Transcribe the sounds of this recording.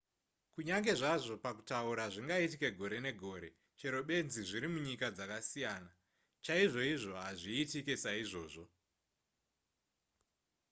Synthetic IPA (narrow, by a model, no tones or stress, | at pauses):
kuɲaŋɡe̞ʐaʐo̞pakutauɾaʐiŋɡaitike̞ɡʱo̞ɾe̞ne̞ɡʱo̞ːɾe̞ | t͡ʃeɾo̞ɓe̞nziʐiɾimuɲikad͡zakasijaːna | t͡ʃaiʐo̞iʐo̞ɦaʐiːtikesaiʐo̞ːʐo̞